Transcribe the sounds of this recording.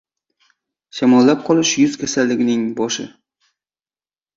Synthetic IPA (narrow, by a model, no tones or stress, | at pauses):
ʃamɒlːap̚qʰɒlˠɪʃjʊzkʲʰasalːɪɡʲɪnɪŋbɒʃɪ̰